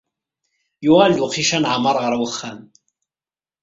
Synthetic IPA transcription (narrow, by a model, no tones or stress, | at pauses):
juʁald̪uqiʃænʕamɑɾˤʁəɾˤwəχːæm